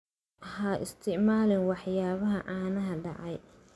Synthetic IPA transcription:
hɐʔɪ̰st̪ʰɪʕmaːlɪnwɑħjaːβɐɦɐʕɑːnɐɦɐɖɑʕɑj

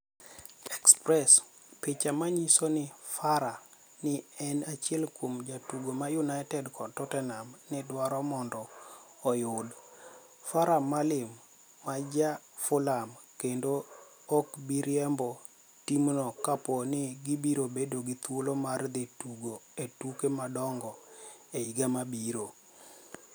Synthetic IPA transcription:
ɛkspɾɛs | pet͡ʃamaɲisonɪfaɾa | nɪɛnat͡ʃɪɛlkwomd͡ʒatuɡomajunajtɛdkʰɔtɔtɛnamnɪdwaɾɔmɔndɔː | jʊd | faɾamalɪmː | ad͡ʒa | fʊlamkendoː | kbiɾjɛmbɔ | timnɔkapɔnɪɡibiɾobedoɡɪt̪wolomard̪etuɡoetukemadɔŋɡɔ | eiɡamabiɾo

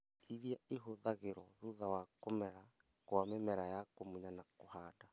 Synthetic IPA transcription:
iɾiaiɦoðaɣeɾɔðuðawakomɛɾa | kwamɛmɛɾajakomuɲanakohaːda

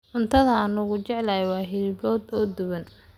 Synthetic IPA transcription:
ʕʊnt̪ʰɐðɐɐnʊɣʊt͡ʃɛʕlaːjwɑːɦɪlbɔːd̪ɔːd̪ʊβɐn

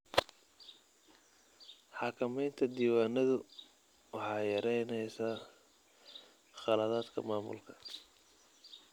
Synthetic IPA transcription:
ħɑkʰɐmɛjnt̪ʰɐd̪iːwaːnɐðʊ | wɑħɑːjɐɾɛjnɛjsaː | χɑlɐðaːd̪kʰɐ̰maːmʊ̰lkʰɐ̥

